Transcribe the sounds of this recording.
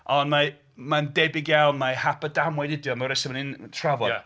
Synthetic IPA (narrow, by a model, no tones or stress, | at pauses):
ɔnma | mandɛbɪɡjalˠmahapədamwɛdɪdjɔmawɾɛsɔmanɪntʰravɔ